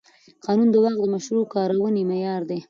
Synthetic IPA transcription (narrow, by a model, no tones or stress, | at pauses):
qɑnund̪əwɑq̚d̪əmaʃɾukɑɾawənemejɑɾd̪e